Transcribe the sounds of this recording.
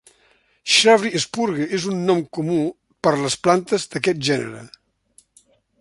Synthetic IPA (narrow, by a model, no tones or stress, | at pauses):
ʃaβɾiespuɾɣəʔezunːɔmkumu | pəɾləsplant̪əzd̪əkɛt̪̚ʒɛnə̰ɾə̰